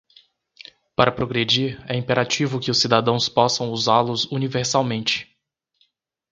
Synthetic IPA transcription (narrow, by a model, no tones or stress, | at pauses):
paɾɐpɾoɡɾed͡ʒiɾɛĩmpeɾʔat͡ʃivʊkɪʊsid̪ad̪ɐ̃w̃spɔsɐ̃w̃uzaɾlʊzuniveɾsawmẽnt͡ʃɪ̥